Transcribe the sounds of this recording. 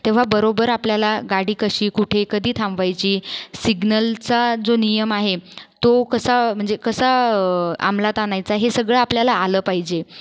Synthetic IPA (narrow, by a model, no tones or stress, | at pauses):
t̪ẽʋ̤abəɾobəɾapljalaɡaɽiːkəɕiːkuʈʰekəd̪ʱiːt̪ʰãmbʋajt͡ɕiːsiɡnəlt͡sad͡zonijəmaɦet̪okəsam̤əɳd͡zekəsa | a̰mlat̪anajt͡saɦesəɡɭaapljalaːləːpaɦid͡ʑe